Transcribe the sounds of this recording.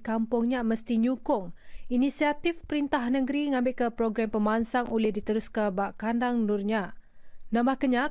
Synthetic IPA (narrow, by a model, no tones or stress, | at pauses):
kampʊŋɲaməst̪iɲũkʊŋinisiat̪ifpəɾint̪ahnəɡɾiŋãmbɪʔkəpɾoɡɾampəmansaŋulɪhdit̪əɾuskəbaʔkandaŋnʊrɲa | nãmbahkəɲã